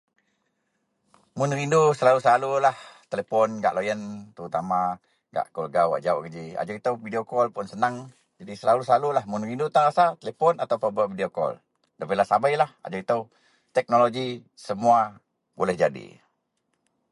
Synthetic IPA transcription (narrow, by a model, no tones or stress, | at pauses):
mʊnrindusəlalusəlalulaht̪elepɔnɡa̰ʔlojənt̪əɾut̪ama | ɡa̰ʔkɔlɡawa̰ʔd͡ʒauʔɡəd͡ʒia̰d͡ʒuit̪əwvideokɔlpʊnsənəŋ | d͡ʒadisəlalusəlalulahmʊnrindut̪aŋɾasat̪elepɔnat̪awpabəʔvidiokɔ̰l | dapəlahsabajlaha̰d͡ʒuit̪əw | t̪ɛk̚noloɡi | səmua | bolɛhd͡ʒadḭ